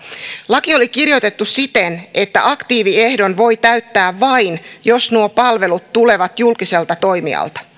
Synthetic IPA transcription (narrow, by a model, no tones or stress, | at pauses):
lɑkio̞likirjojt̪e̞t̪ːusit̪enʔe̞t̪ːæ̰ʔɑkt̪iːʋiehdo̞nʋo̞jt̪æyt̪ːæːʋʋɑjnjo̞snuopɑlʋe̞lut̪ːule̞ʋɑt̪julkise̞lt̪ɑt̪o̞jmḭɑ̰lt̪ɑ̥